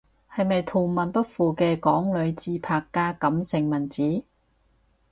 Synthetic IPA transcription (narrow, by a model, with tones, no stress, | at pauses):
hɐ˨jmɐ˨jt̪ʰo˨˩mɐ˨npɐ˥t̚fuː˨kɛː˧kɔː˨˥ŋlɵ˨˧ɥt͡siː˧pʰaː˨˧kːaː˧kɐ˨˧˥msɪ˨˩ŋmɐ˨˩nt͡siː˨˥